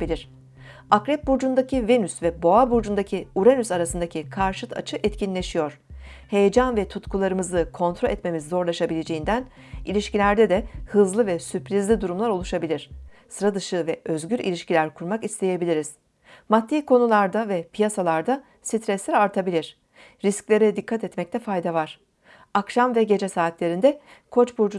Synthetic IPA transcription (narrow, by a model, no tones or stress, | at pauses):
bilʲiɾ̥ | akɾɛp̚buɾd͡ʒund̪acʰive̞nysvɛbo̞abuɾd͡ʒund̪acʰiuɾenysaɾasɯnd̪acʰikʰaɾʃɯt̪ʰa̰t͡ʃʰɯʔɛt̪cʰinlʲe̞ʃijo̞ɾ̝̥he̞jed͡ʒanvɛt̪ʰut̪kʰulˠaɾɯmɯzɯkʰo̞nt̪ɾolʲɛt̪me̞mizːo̞ɾlˠaʃabilʲe̞d͡ʒe̞jind̪æn | ilʲiʃcilʲæɾd̪ɛd̪ɛhɯzlˠɯvɛsyplʲizlʲid̪uɾumlˠaɾo̞lˠuʃabilʲiɾ̥sɯɾad̪ɯʃɯvɛʔø̞zɟyɾḭlʲiʃcilʲæɾkʰuɾmakist̪ʰe̞je̞bilʲiɾiz̥ | mat̪ːiːkʰo̞nulˠaɾd̪avɛpʰijasalˠaɾd̪a | sit̪ʰɾɛslʲɛɾaɾt̪ʰabilʲiɾ̥ | ɾisclʲe̞ɾɛd̪ikʰːat̪ɛt̪mɛc̚t̪ʰɛfajd̪avaɾ̥ | akʃamvɛɟe̞d͡ʒɛsaːt̪lʲe̞ɾind̪ɛ | kʰo̞t͡ʃbuɾd͡ʒu